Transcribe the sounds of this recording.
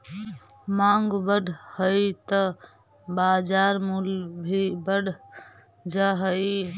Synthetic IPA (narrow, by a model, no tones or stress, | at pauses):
maŋɡbəɽʱhəjt̪ə | bad͡ʒaɾmulbʱibəɽʱ | d͡ʒaɦəj